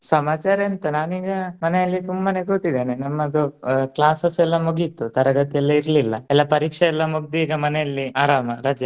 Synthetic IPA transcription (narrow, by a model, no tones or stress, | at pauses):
sɐmaːt͡ʃaːɾent̪ɐnaːniːɡɐmɐnɛjɐlːit̪umbane̞ɡot̪ːid̪eːnenɐmːɐd̪uklaːsɐsɛlːɐmuɡit̪ːut̪ɐɾɐɡɐt̪ijɐlːɐiɾlilːɐɛlːɐpɐɾiːkʂɐɛlːɐmuɡ̚d̪iːɡɐmɐnɛjɐlːiaːɾaːmɐɾɐːd͡ʒjɐ